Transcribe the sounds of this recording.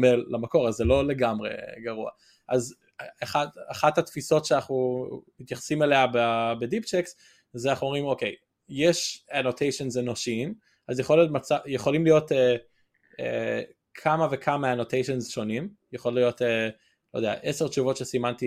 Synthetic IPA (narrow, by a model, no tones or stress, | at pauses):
melːamako̞ʁazːelo̞le̞ɡamʁe̞̰ɡaʁua̰ | ʔaz | aχadaχathatfiso̞tʃeanaχnumit̪jaχsimeleababedipt͡ʃeks | zanaχnuomʁimo̞kej | jeʃanotʰejʃenzenoʃiim | ʔazjeχolotmat͡sajeχo̞limlijo̞te | ḛ | kʰamave̞kʰamaanotejʃenzʃo̞nimjeχo̞llijo̞te | lojdea̰ʔeseʁt͡ʃuvo̞tʃesimanti